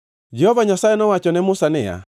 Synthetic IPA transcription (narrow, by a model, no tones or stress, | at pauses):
d͡ʒɛhɔvaɲasaɛnɔwat͡ʃɔnɛmʊsanɛja̰